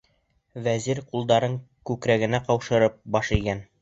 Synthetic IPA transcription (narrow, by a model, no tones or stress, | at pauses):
væziɾqulˠd̪ɑɾɤɴ | kʉkɾæɡɘ̆næqɑwʃɤ̆ɾɤp̚bɑʃiɡæn